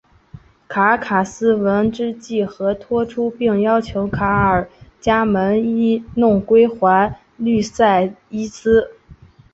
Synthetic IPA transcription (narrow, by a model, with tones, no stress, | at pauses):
kʰa˧˥kʰa˨˩sɹ̩˥wə˧˥nʈ͡ʂɻ̩˥t͡ɕi˥˩xɤ˧˥t̪ʰwɔ˥ʈ͡ʂʰu˥pi˥˩ŋjɑ˥ʊt͡ɕʰjo˧˥ʊkʰa˧˥ə˞˨˩t͡ɕja˥mə˧˥ni˥nʊ˥˩ŋkwe˥ɪxwa˧˥n | ly˥˧sa˥˩ɪi˥sʰɹ̩˥